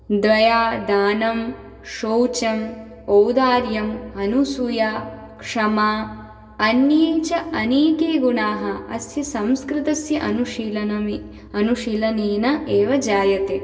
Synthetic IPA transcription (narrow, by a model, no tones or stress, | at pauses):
d̪ʋɐjaːd̪aːnɐm | ʃoːwt͡ʃɐm | owd̪aːɾjɐmɐnusujaː | kʂɐmaː | ɐnjiːt͡ʃɐɐneːkeːɡunaːɦɐɐ̰sjɐsɐ̃mskɾɪt̪ɐsjɐʔɐnuʂilɐnɐmi | ɐnuʃilɐneːnɐeːʋɐd͡ʒaːjɐt̪eː